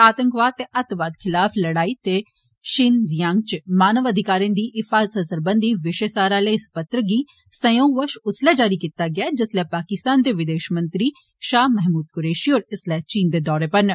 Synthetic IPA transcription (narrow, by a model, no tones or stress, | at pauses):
aːt̪ə̃ŋkʋaːd̪̚t̪eʔət̪ʋaːd̪kʰɪlaːpʰləɽaːiːt̪eː | ʃɪnzɪjãːŋɡt͡ʃmaːnəʋəd̪ʱɪkaːɾiãːnd̪iːʔɪfʰaːzsəsəɾbənd̪iːʋɪʃeːsaːɾaːleːspət̪ɾəɡiː | sə̃jõːʋəʃʊslɛːd͡ʒaːɾiːkiːt̪aːɡɪaːd͡ʒɪslɛːpaːkɪst̪aːnd̪eːʋɪd̪eːʃmə̃nt̪ɾiː | ʃaːɦmɛɦmuːd̪̚kʊɾeːʃiːɦoːɾɪslɛːt͡ʃiːnd̪eːd̪ɔːɾeːpəɾnə